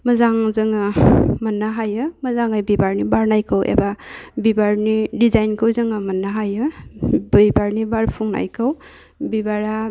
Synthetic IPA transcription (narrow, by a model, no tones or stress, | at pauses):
mɐzaŋzɯŋɯmɐnːaɦajɯmɐzaŋajbibaɾnibaɾnajkʰɯwʔḛbabibaɾnidizajnkʰɯwzɯŋamɐnːaɦajɯbijbaɾnibaɾpʰuŋna̰jkʰɯw | bibaɾa